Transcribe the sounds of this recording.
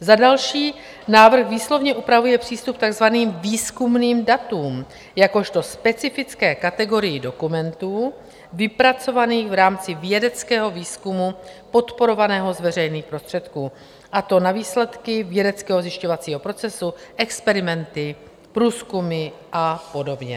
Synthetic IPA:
zadalʃiː | naːvr̩xviːslo̞vɲɛʔupɾavujɛpr̥iːst̪up̚t̪aɡzvaniːmviːskumniːmdat̪uːm | jako̞ʃt̪o̞spɛt͡sɪfɪt͡skɛːkat̪ɛɡo̞ɾɪjɪdo̞kumɛnt̪uː | vɪpɾat͡so̞vaniːxvɾaːmt͡sɪvjɛdɛt͡skɛːɦo̞viːskumupo̞t̪po̞ɾo̞vanɛːɦo̞zvɛr̝ɛjniːxpɾo̞st̪r̥ɛt̪kuː | ʔat̪o̞naviːslɛt̪kɪvjɛdɛt͡skɛːɦo̞zjɪʃcovat͡siːɦo̞pɾo̞t͡sɛsuʔɛkspɛɾɪmɛnt̪ɪ | pɾuːskumɪʔapo̞do̞bɲɛ̰

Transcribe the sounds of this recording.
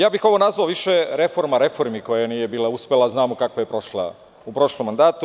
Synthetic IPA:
jaːbixo̞ʋo̞nazʋaoʋiʃeɾe̞fo̞ɾmaɾe̞fo̞ɾmiko̞janije̞biːlˠauspʲelad̪aznaːmokakʋoje̞pɾo̞ʃla̰ | upɾoʃlˠomːand̪aːt̪u

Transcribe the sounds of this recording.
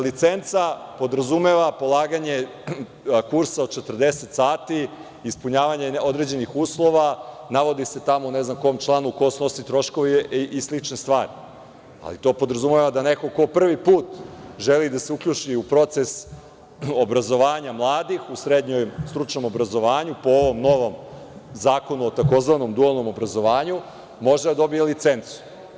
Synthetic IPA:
lit̪sent̪sapo̞d̪ɾazumeʋapo̞lˠaːɡaɲe̞ | kuɾsaod̪̚t͡ʃet̪r̩d̪eset̪saːt̪iː | spuɲaːʋaɲeo̞d̪ɾed͡ʑe̞nixuːslˠo̞ʋanaʋo̞d̪ise̞t̪amouneznamko̞omt͡ʃlˠaːnuko̞sno̞sit̪ɾo̞ʃko̞ʋiʔislit͡ʃnest̪ʋaːɾi | a̰lḭt̪o̞ːpo̞d̪ɾazumeʋad̪aneko̞ko̞pr̩ʋipuːt̪ʒelid̪ase̞ukʎut͡ʃiupɾo̞t̪ses | obɾazo̞ʋaːɲamlˠaːd̪ixusɾed̪ɲojmst̪ɾut͡ʃno̞mo̞bɾazo̞ʋaːɲupo̞oʋo̞mno̞ʋo̞m | zaːko̞nuot̪ako̞zʋano̞md̪ualˠno̞mo̞bɾazo̞ʋaːɲu | mo̞ʒd̪ed̪ad̪o̞bijelit̪sent̪su̥

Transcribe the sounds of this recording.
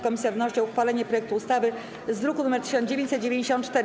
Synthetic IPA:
kɔmʲisʲjavnɔɕt͡ɕɔuxfalɛɲɛpɾɔjɛk̚t̪uːst̪avɘ | zd̪ɾukunumɛɾt̪ɘ̥ɕ̬ɔnd͡ʑevʲjeɲt͡ɕ̪ʲsɛt̪̚d͡ʑevʲẽɲd͡ʑeɕ̬ɔ̃nt̪t͡ʂt̪ɛɾ

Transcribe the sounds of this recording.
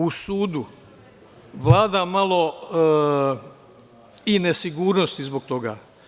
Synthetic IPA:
usuːd̪u | ʋlˠaːd̪amalˠo̞ | ine̞siɡuːɾnost̪izboɡ̚t̪o̞ɡa̰ː

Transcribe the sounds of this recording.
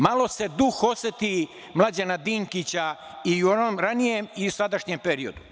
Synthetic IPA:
malˠo̞se̞d̪uxo̞set̪i | mlˠad͡ʑanad̪iːŋkit͡ɕa | iuonomɾanijemiusad̪aʃɲempe̞ɾio̰d̪u

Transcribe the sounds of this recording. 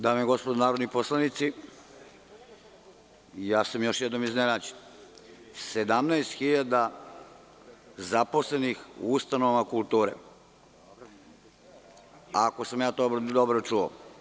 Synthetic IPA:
d̪aːmieɡo̞spod̪onaːɾo̞d̪niposlˠanit̪si | jaːsamjo̞ʃjɛd̪no̞miznenaːd͡ʑen | sed̪amnaest̪xiʎad̪a | zapo̞slenixust̪anoʋmakulˠt̪uːɾḛ | ako̞samjaːt̪obd̪obɾot͡ʃuo̰

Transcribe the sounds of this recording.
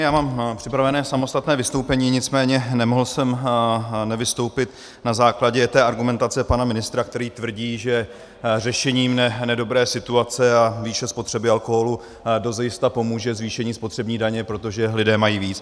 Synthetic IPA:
jaːmaːmpr̝̥ɪpɾavɛnɛːsamo̞st̪at̪nɛːvɪst̪owpɛɲiːɲɪt͡smɛːɲɛnɛmoɦl̩sɛm | nɛvɪst̪o̞wpɪt̪ | nazaːklaɟɛt̪ɛːʔaɾɡumɛnt̪at͡sɛpanamɪnɪst̪ɾak̚t̪ɛɾiːt̪vr̩ɟiːʒɛ | rɛʃɛɲiːmnɛnɛdo̞bɾɛːsɪt̪uat͡sɛaviːʃɛspo̞t̪r̝̥ɛbɪalko̞ɦo̞lu | dozjɪst̪apo̞muːʒɛzviːʃɛɲiːspo̞t̪r̥ɛbɲiːdaɲɛpɾo̞t̪o̞ʒɛlɪdɛːmajiːviːt͡s

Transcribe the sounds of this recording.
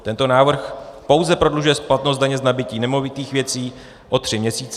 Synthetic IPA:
t̪ɛnt̪o̞naːvr̩xpo̞wzɛpɾo̞dluʒujɛsplat̪nos̬t̪̚daɲɛznabɪciːnɛmo̞vɪt̪iːxvjɛt͡siː | ʔo̞t̪r̝̥ɪmɲɛsiːt͡s

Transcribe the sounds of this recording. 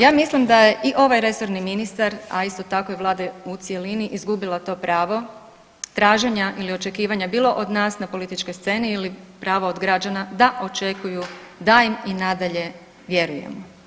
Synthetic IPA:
jaːmislimd̪aje̞ʔiʔo̞ʋajɾe̞so̞ɾniminist̪aɾa̰ist̪o̞t̪akojeʋlˠaːd̪eut̪sije̞liniʔizɡubilˠat̪o̞ːpɾaːʋo̞ | t̪ɾaːʒeɲaʔilio̞t͡ʃe̞kiːʋaɲabiːlˠo̞ʔod̪naːsnapo̞lit̪it͡ʃko̞jst̪se̞ːniilipɾaːʋaod̪ɡɾad͡ʒanad̪aʔo̞t͡ʃe̞kujud̪ajiminad̪aʎe̞ | ʋje̞ɾujḛmo

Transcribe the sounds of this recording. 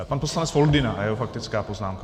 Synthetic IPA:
panposlanɛt͡sfold̪ɪna̰jɛɦofak̚t̪ɪt͡skaːpoznaːmka

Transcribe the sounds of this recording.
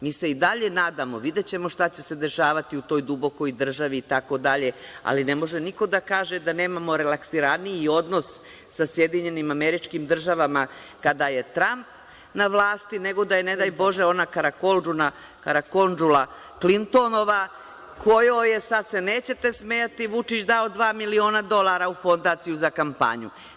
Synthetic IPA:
miːse̞id̪aʎe̞naːd̪amo̞ʋid̪e̞t͡ɕe̞mo̞ʃt̪at͡ɕe̞se̞d̪e̞ʃaːʋat̪iut̪o̞ːjd̪ubo̞ko̞jd̪r̩ʒaʋiːt̪ako̞d̪aʎe̞a̰line̞mo̞ʒeniko̞d̪akaːʒe̞d̪ane̞ːmamo̞ɾelaksiɾaniio̞d̪no̞s | sasje̞d̪iɲe̞nimameɾit͡ʃkimd̪r̩ʒaʋama | kad̪aje̞t̪ɾamp | naʋlˠaːst̪ine̞ɡo̞d̪ajene̞d̪ajbo̞ʒeo̞nakaɾakolduna | kaɾako̞nd͡ʒula | klint̪o̞no̞ʋa | kʰo̞joje̞sad̪se̞ne̞ːt͡ɕe̞t̪e̞smeːjat̪iʋut͡ʂit͡ɕd̪aod̪ʋaːmilio̞ːnad̪o̞lˠaːɾaufo̞nd̪aːt̪sijuzakampa̰ɲu

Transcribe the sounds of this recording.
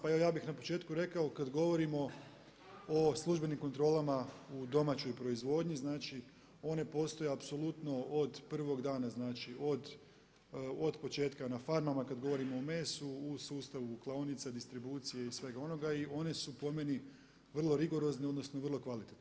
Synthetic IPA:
paeojaːbixnapo̞̥t͡ʃe̞ːt̪kuɾe̞kaokad̪ɡo̞ʋo̞ɾimo̞ | oslˠuʒbe̞nimko̞nt̪ɾo̞ːlˠamaud̪o̞maːt͡ʃo̞jpɾo̞izʋo̞ːd̪ɲiznaːt͡ʃi | o̞ne̞po̞ːst̪o̞jeapso̞lˠut̪no̞od̪pr̩ʋo̞ɡd̪aːnaznaːt͡ʃiʔo̞d̪ | od̪po̞t͡ʃe̞ːt̪kanafaɾmamakad̪ɡo̞ʋo̞ɾimo̞ːme̞ːsuːsuːst̪aʋuklˠaonit̪sad̪ist̪ɾibuːt̪sije̞isʋe̞ɡao̞no̞ɡaio̞ne̞supo̞me̞ni | ʋr̩lˠo̞ɾiɡo̞ɾo̞zneo̞d̪no̞snoʋərlˠo̞kʋalit̪et̪no

